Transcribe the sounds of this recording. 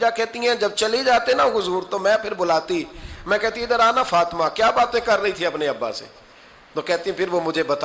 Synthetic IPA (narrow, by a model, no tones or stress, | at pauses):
d͡ʒakɛɦt̪iɦɛ̃ːd͡ʒɐb̚t͡ʃɐled͡ʒaːt̪iɛnaɡʊzuːɾt̪oːmɛ̃ːpʰɪɾbʊlaːt̪imɛ̃ːkɛɦt̪iɛɪd̪əɾaːnafaːt̪maːkjaːbaːt̪ẽkɐɾːəĩt̪ʰĩɐpneɐbːa̰ːsḛː | t̪oːkɛɦt̪iɛ̃pʰɪɾʋoːmʊd͡ʒʱebɐt̪ː